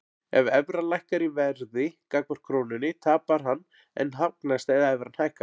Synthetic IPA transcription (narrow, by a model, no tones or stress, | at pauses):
ɛvɛvɾalajhkaɾivɛɾðɪkakmɔɾ̥kʰɾoːwnʏnːɪt̪ʰaːpaɾ̥ɦanː | ɛ̰nːɦawknast̪ɛðaɛvɾanhajhka